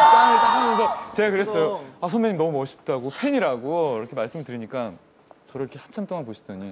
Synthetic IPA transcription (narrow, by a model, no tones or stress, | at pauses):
t͡ɕ͈amet͈aɦʰamjʌnsʰʌt͡ɕe̞ɡakɯɾes͈ʌjoasʰʌnmjʌɲimnʌmumʌɕʰi̥t̚t͈aɡopʰeɲiɾaɡoiɾʌkʰe̞maɭs͈ɯmɯɭtɯɾiɲik͈a | t͡ɕʌɾoiɾkʰehat͡ɕʰamt͈oŋanpoɕʰid̥ʌɲi